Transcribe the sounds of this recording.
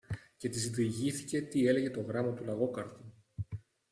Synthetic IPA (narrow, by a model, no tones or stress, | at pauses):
ce̞t̪izid̪iʝiθice̞t̪ie̞le̞ʝe̞t̪o̞ɣɾɐmɐt̪ulɐɣo̞kɐɾt̪u